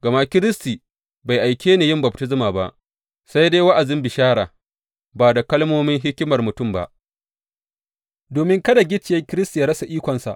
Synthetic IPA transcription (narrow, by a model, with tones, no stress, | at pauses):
ɡɐ˨ma˦kʲɪ˦ɾɪ˦stiː˨ | ba˨jʔa˨jkʲʰeː˦neː˨jɪ˦mbɐ˨p̚tɪ˦zɪ˦maː˨ba̰˦ʔ | sa˦jde˦jwa˦ʔa˨zɪ˦mbɪ˨ʃaː˦ɽaː˨ | baː˨da˨kɐ˦lmoː˦mɪ˦ŋɦɪ˦kʲɪ˦mɐ˨rmʊ˨tʊ˦˨mba̰˦˨ʔ | doː˨mɪ˦ŋkɐ˦da˨ɡʲɪ˦t͡ʃɪ˨ja˦kʲɪ˦ɾɪ˦sti˨ja˦ɽɐ˦sa˨ʔiː˦kʷɐ˨nsa̰˨ʔ